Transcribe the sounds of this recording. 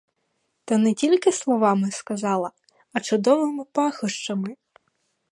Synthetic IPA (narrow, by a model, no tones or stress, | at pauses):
t̪ɐnetʲilʲkɪslˠɔʋɑmɪskɐzɑlˠɐ | ɐt͡ʃʊd̪ɔʋɪmɪpɑxɔʃt͡ʃɐmɪ